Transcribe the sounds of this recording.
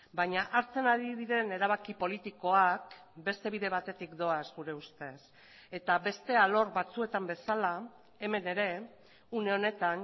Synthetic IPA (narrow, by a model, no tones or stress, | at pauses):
baɲaʔaɾt͡se̞naðiβiðe̞neɾaβakipo̞lit̪iko̞akbe̞st̪e̞βiðe̞β̞at̪e̞t̪ikd̪o̞azɣuɾe̞ust̪e̞s | e̞t̪aβe̞st̪e̞alo̞ɾβat͡sue̞t̪ambe̞sala | e̞me̞ne̞ɾe̞ | une̞o̞ne̞t̪an